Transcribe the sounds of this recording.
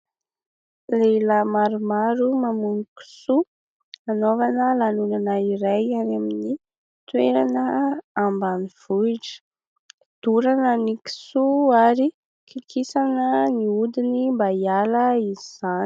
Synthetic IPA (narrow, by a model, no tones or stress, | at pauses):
leləmaɾumaɾumamuniki̥su | anovanəlanunanaiɾajanamini | t̪weɾanəambaniv̥uʈ͡ʂə̥ | d̪̥uɾanəniki̥suaɾi | kʰikisanəniud̪inimbajaləiziz̥ani̥